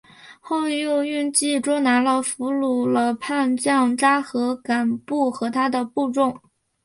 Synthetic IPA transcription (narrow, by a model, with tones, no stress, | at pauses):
xo˥˧ʊy˥˧jo˥˧ʊy˥˧nt͡ɕi˥˩ʈ͡ʂwɔ˥na˧˥lə˧fu˧˥lu˨˩lə˦pʰa˥˧nt͡ɕjɑ˥˩ŋʈ͡ʂa˥xɤ˧˥ka˨˩npu˥˩xɤ˧˥t̪ʰa˥d̪ə˨pu˥˧ʈ͡ʂʊ˥˩ŋ